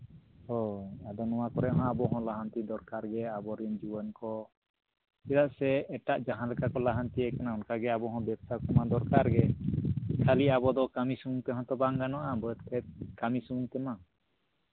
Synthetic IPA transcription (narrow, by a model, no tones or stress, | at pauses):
hɔad̪ɔnɔwakɔɾɛʔɦɔ̃abɔɦɔ̃laɦant̪id̪ɔɾkaɾɡɛabɔɾənd͡ʒuwənkɔ | ilaʔsɛːʈaʔd͡ʒaɦãnlɛkakɔlaɦant̪iɛkanaunkaɡɛabɔɦɔ̃bɛb̚sakɔmad̪ɔɾkaɾɡɛ | kʰaliabɔd̪ɔkamisumuŋt̪ɛɦɔ̃t̪ɔbaŋɡanɔʔabət̪̚kʰɛt̪̚kamisumuŋt̪ɛma